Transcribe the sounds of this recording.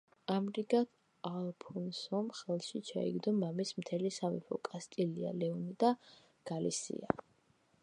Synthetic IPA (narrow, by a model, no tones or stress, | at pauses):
amɾiɡat̪ʰ | alˠpʰunsɔmχɛlˠʃit͡ʃʰa̰ḭɡd̪ɔmamismt̪ʰɛlisamḭpʰɔkʼast̪ʼilia̰lɛunid̪a | ɡ̥alḭsḭa